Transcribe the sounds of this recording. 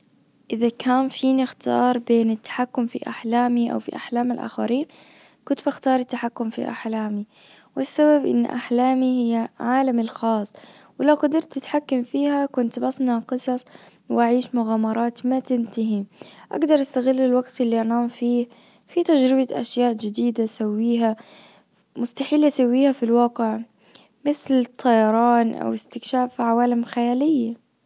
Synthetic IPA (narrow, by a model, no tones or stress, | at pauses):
ʔɪðakʰaːnfiːnɪxt̪ɑ̰ːɾˤbeːnɪt̪ːḁħakːʊmfḭʔa̰ħlaːmiʔa̰wfḭʔa̰ħlaːmɪlʔa̰ːxa̰ɾiːnkʊnt̪baxt̪ɑːɾˤɪt̪ːaħakːʊmfḭʔa̰ħlaːmiwɪsːaβabʔɪ̰n̰ːʔa̰ħlaːmihɪjːaʕaːlamalxɑːsˤːwɪlawqɑd̪ɪɾˤt̪ːɪt̪ħakːamfiːhakʊnt̪bɑsˤnaqɨsˤɑsˤwɪʔaʕiːʃmʊɣaːmɑɾˤɑːt̪mat̪ɪnt̪aɦiʔa̰ɡd̪ɑɾˤʔast̪aɣɪlːɪlwaɡt̪ɪlːiʔanaːmfiː | fit̪ad͡ʒɾɪbaʔa̰ʃjaːʔd͡ʒɪd̪iːd̪asawːiːɦa | mʊst̪aħiːlːʔasawːiːhafilwɑːqɪʕ | mɪθlt̪ˤʰːɑjɑɾˤɑːnʔa̰wɪst̪ɪkʃaːʔfiʕawaːlamxajaːlɪjːa